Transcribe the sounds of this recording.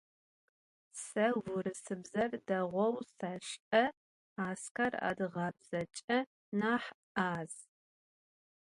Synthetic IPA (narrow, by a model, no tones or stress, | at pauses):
sɐwʷʊɾɨsɨbzɐrdɐʁʷɔwsɐɕʔɐ | aːskʰɐra̰ːdɨʁɐbz̥ɐt͡ʃʼɐ | naːħ | aːz̥